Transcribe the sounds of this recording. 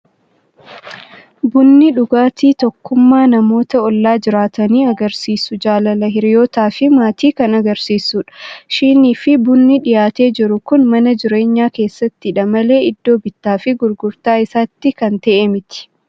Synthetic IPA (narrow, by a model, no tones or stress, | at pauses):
bʊnːɪᶑʊɡaːt̪iːt̪ɔkːʊmːaːnɐmo̞ːt̪ɐɔlːaːd͡ʒɪɾaːt̪ɐniːɐɡɐɾsiːsʊd͡ʒaːlɐlɐɦɪɾɪjo̞ːt̪aːfɪmaːt̪iːkɐnɐɡɐɾsiːsːuːᶑɐ̥ʃiːniːfɪbʊnːɪᶑɪjaːt̪e̞ːd͡ʒɪɾʊkʊnmɐnɐd͡ʒɪɾe̞ːɲːaːke̞ːsːɐt̪ːɪᶑɐmɐle̞ːɪd̪ːo̞ːbɪt̪ːaːfɪɡʊɾɡʊɾt̪aːɪsaːt̪ːɪkɐnt̪ɐʔemɪt̪ɪ̥